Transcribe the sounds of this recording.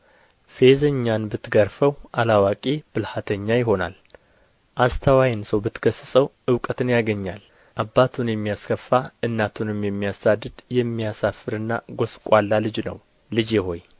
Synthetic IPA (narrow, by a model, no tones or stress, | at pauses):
fe̞zəɲːanbɨt̪ɡəɾfəwʔalawakʼib̥ɨlhat̪ʰəɲːajɪɦo̞na̰l | ʔast̪ʰəwajɪnsəwbɨt̪ɡəsɨsʼəwʔɨwkʼət̪ʰɨnjaɡəɲːa̰l | ʔabːat̪ʰunjɛmːijaskʰəfːaɨnːat̪ʰunɨmjɛmːijasad̪ːɨd̪jɛmːijasafːɨɾɨnːa̰ɡo̞skʷʼalːalɨd͡ʒnə̰w | lɨd͡ʒjɛho̞j